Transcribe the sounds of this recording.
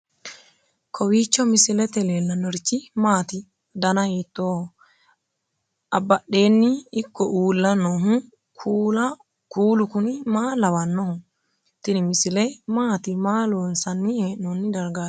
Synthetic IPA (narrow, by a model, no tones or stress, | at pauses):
kʰɔwiːt͡ʃːɔmɪsɪlɛt̪ɛleːlːɐnːɔɾɪt͡ʃːɪmaːt̪ɪ | d̪ɐnɐheːt̪ːoːhɔ | ʔɐbːɐɗe̞ːnːɪːkːɔʔuːlːɐnːɔɦʊ | kʰuːlɐ | kuːlʊkʊnɪmaːlɐwɐnːɔhʊ | t̪ɪnɪmɪsɪlɛmaːt̪ɪmaːloːnsɐnːieːʔːɔnːɪd̪ɐɾɡaː